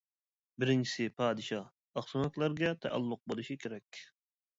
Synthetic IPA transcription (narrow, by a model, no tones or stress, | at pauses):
bɪɾɪnt͡ʃʰi̥sɪpʰɑːd̪ɨʃɑ | ɑχsonot̪lˠæɾɡʲɛt̪ʰɛ̰ʔæ̰lˠːʊq̚bolˠɨʃikʲʰeɾɛkʲ